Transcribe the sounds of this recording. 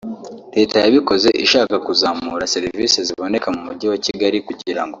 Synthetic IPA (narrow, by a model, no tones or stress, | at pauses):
ɾe̞ːtajaβiko̞ze̞ʔiʃaːkakuzaːmuːɾase̞ɾiviːseziβo̞ne̞kamumuɟiwaciɡaɾikuɟiɾa̰ŋɡo̞